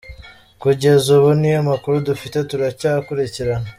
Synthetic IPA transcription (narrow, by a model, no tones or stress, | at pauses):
kuɟe̞zuβonijamakuɾudufite̞tuɾacakuɾeceɾana